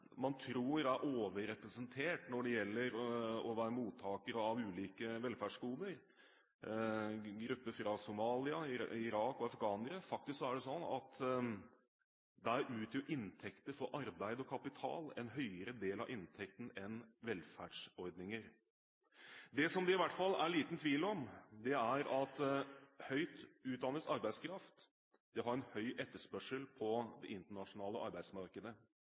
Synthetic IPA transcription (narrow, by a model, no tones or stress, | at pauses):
mɑnt̪ʰɾuːɾæɾʔoːʋəɾɛpɾɛsənt̪ʰeːʈnɔɖɛjɛlːəɾɔʋæːɾəmuːt̪ʰːɑːkəɾəɑʋʉːliːkəʋɛlfæɖʂkuːd̪əɾ | ɡɾʉpːəfɾɑsʊmɑːlɪɑɪɾɑːkɔɑfkɑːnəɾəfɑk̚t̪ɪsksɔæɖɛsɔnːɑ̰t̪ | d̪æɾʔʉːt̪jʊʔɪnt̪ʰɛkt̪əɾfɔɾʔɑɾbæɪd̪əɔkʰɑpɪt̪ʰɑ̰ːlɛ̰nɦœʏəɾəd̪eːlɑ̰ʋʔɪnt̪ʰɛkt̪n̩ɛnʋɛlfæːɖʂɔɾd̪nɪŋəɾ | d̪ɛsɔmd̪ɛɪʋæʈːfɑlːæɭiːt̪n̩t̪ʰʋiːlɔmd̪ɛæɾɑt̪hœʏt̪ʉːt̪̚d̪ɑnːəsɑɾbæɪskʰɾɑft̪ | d̪ɛɦɑɾɛnhœʏʔɛt̪ːəʂpœʂəlpʰɔd̪ɛʔɪnt̪əɳɑʂʊnɑːləʔɑ̰ɾbæɪsmɑɾkəd̪ə